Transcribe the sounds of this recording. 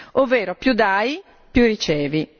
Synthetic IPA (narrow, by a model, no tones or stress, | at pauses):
oveːɾopjud̪aːi | pjurit͡ʃɛːvi